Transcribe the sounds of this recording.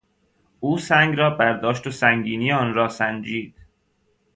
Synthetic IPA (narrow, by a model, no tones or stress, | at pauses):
uːsæŋɡɾɒːbæɾd̪ɒːʃt̪osæŋɡiːniːɒːnɾɒːsænd͡ʒiːd̪̥